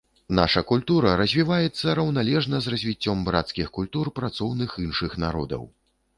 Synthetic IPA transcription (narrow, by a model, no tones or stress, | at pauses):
na̰ʂɐkulʲt̪uɾɐɾɐzʲvʲivajɛt̪sːɐɾɐwnalʲɛʐnɐzrɐzʲvʲit͡sʲːɔmbɾat̪skʲixkulʲt̪urpɾat̪sɔwnɨxinʂɨxnaɾɔ̰d̪ɐ̰w